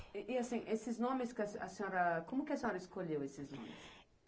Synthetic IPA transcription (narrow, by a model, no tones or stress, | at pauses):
ʔiasĩʔesɪznõmɪskɐsɐ̰sẽoɾɐkõmʊkɪɐsẽɲoɾɐiskoʎewesɪznõ̰mɪ̰s